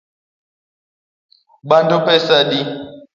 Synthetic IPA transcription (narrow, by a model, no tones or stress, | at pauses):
ɓantupɛsaɗi